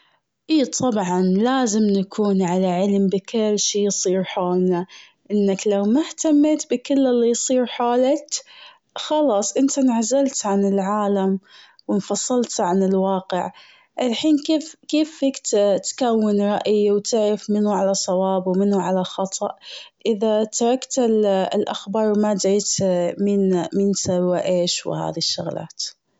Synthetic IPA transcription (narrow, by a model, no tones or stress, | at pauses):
ʔiːt̪ˤʰɑbʕɑnlaːzɪmnakʰuːnʕalaʕɪlmbɪkɪlːʃiːjsˤiːɾħoːlna | ʔɪnːaklawmaht̪amːet̪bɪkɪlːɪlːijsˤiːɾħoːlat | xɑlɑːsˤʔɪnt̪anʕazːalt̪ʕanɪlʕaːlam | wɪnfɑsˤːɨlt̪ʕanɪlwɑːqɪʕ | ʔɪlħiːnkeːfkeːfːikt̪t̪kawːɪnɾˤɑʔjwt̪ɪʕɾɪfmɪnuʕalasˤɑwɑːbwmɪnhuʕalaxɑt̪ˤʰɑ̰ʔʔɪðat̪ɑɾˤɑkt̪ɪllʔa̰xbɑːɾˤwmad̪ʕiːt̪miːnmiːnsawaʔeːʃw̰ha̰ːðiʃːʊɣla̰ːt̪